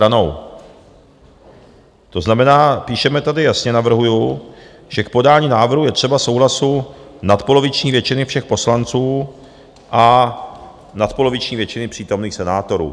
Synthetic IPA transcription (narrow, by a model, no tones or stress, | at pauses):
ɾano̞w | t̪o̞znamɛnaːpiːʃɛmɛt̪adɪjasɲɛnavr̩ɦuju | ʒ̥ɛk̚po̞daːɲiːnaːvr̩ɦujɛt̪r̥ɛbafso̞wlasunat̪po̞lo̞vɪt͡ʃɲiːvjɛt͡ʃɪnɪfʃɛxpo̞slant͡suː | ʔa | nat̪po̞lo̞vɪt͡ʃɲiːvjɛt͡ʃɪnɪpr̝̥iːt̪o̞mniːxsɛnaːt̪o̞ɾṵː